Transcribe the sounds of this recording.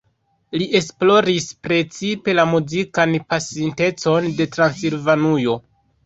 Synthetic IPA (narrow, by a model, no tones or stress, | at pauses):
liʔe̞splo̞ɾispɾe̞t͡sipe̞lamuzikanpasinte̞t͡so̞nde̞tɾansilvanujo̞